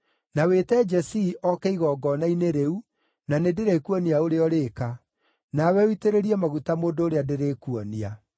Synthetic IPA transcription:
nawetɛd͡ʒɛsiʔɔkɛiɣɔɡɔnaineɾeu | nanedeɾekuɔniaoɾeɔɾeːka | nawɛuiteɾeɾiɛmaɣutamoːndoːɾeadeɾekuɔnia

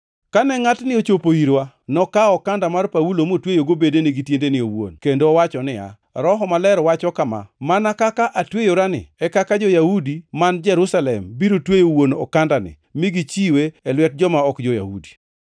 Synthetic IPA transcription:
kanɛŋatnɪot͡ʃopoiɾwa | nɔkaɔkandamarpawulomotwejoɡobedenɪɡitjendenɪowo̰nkendoːwat͡ʃɔnɪa̰ | ɾɔɦɔmalɛɾwat͡ʃɔkama̰manakakaʔatwejoɾanɪ̰ɛkakad͡ʒɔjahudimand͡ʒɛɾusalɛmbiɾotwejowonɔ̰kandanɪ̰ | mɪɡit͡ʃiweɛlwɛt̚d͡ʒɔmaɔkd͡ʒɔja̰hṵdi

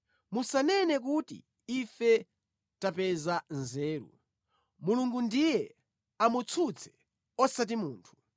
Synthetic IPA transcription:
musanɛnɛk̬utḭ | ifɛ | tapɛzanzɛːɾṵ | muluŋɡundijɛ | amut͡sʰut͡sʰɛ̥ | ɔsat̬imuːntʰu̥

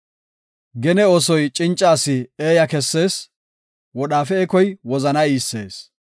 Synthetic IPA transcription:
ɡɛnɛɔsɔjt͡ʃʼɪnt͡ʃʼːaːsɪeːjɐkɛsːe̞ːs | wɔɗaːfɛɛkɔjwɔzɐnɐiːsːḛːs

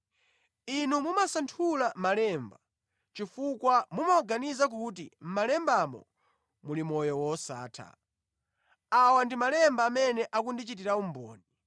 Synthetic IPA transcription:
inumumasantʰulamalɛmba | t͡ʃifukwamumaɔɡanizak̬ut̬im̩malɛmbamɔ̰ | mulimɔjɔwɔsa̰ːtʰa̰ | awandimalɛmbaːmɛnɛʔakundit͡ʃit̬iɾaum̩bɔ̰ːni

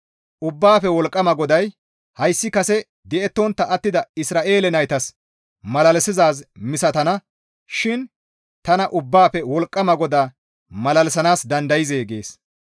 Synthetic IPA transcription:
ʔʊbːaːfɛwɔlkʼːɐmɐɡɔd̪ɐj | hɐjsːɪkɐsɛ | d̪ɛɛt̪ːɔnt̪ːɐʔɐt̪ːɪd̪ɐɪsɾaːʔe̞ːlɛnɐjt̪ɐs | mɐlɐlɛsɪzaːz̬mɪsɐt̪ɐnɐ | ʃɪn | t̪ɐnɐʔʊbːaːpɛwɔlkʼːɐmɐɡɔd̪aː | mɐlɐlɛsɐnaːsd̪ɐnd̪ɐjɪzeːɡe̞̰ːs

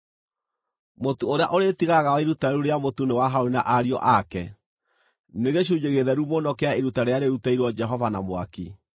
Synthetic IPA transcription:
motuoɾea̰ʔoɾetiɣaɣaɔiɾutaɾuɾeamotunewaɦaoɾina̰ʔaɾiɔ̰ʔakɛ | neɣeɕuɲeɣeðɛɾumonɔkeaeɾutaɾeaɾeɾutaiɾwɔd͡ʒɛɦɔvanamwa̰ki

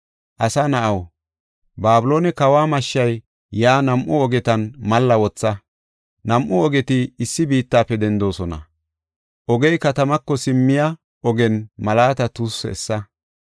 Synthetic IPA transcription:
ʔɐsanɐʔɐw | baːbʊloːnɛkɐwaːmɐʃːɐj | jaːnɐmʔʊɔɡɛt̪ɐnmɐlːɐwɔt͡sːɐ | nɐmʔʊɔɡɛt̪ɪɪsːɪbiːt̪ːaːpːɛd̪ɛnd̪o̞ːsɔnɐ̰ | ʔɔɡɛjkɐt̪ɐmɐkːɔsɪmːɪjɐ | ɔɡɛnmɐlaːt̪ɐt̪usːɛɛsːɐ

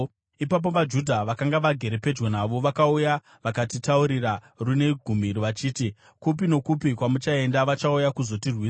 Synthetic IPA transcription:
ipap̬o̞ʋad͡ʒudʱaʋakaŋɡaʋaɡʱe̞ɾe̞pe̞d͡ʒwonaʋo̞ʋakauja | ʋakatitauɾira | rune̞ɡʱumiɾiʋat͡ʃiːti | kupino̞kupikwamut͡ʃae̞ndaʋat͡ʃaujakuzo̞tirwiːsa

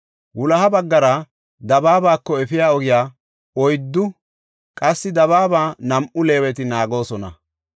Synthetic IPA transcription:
wʊlɐɦɐbɐɡːɐɾɐ | d̪ɐbaːbaːkːɔɛfɪjaːɔɡɪjaː | ɔjd̪ːʊ | kʼɐsːɪd̪ɐβaːbaːnɐmʔʊle̞ːwɛt̪ɪnaːɡo̞ːsɔnɐ̰

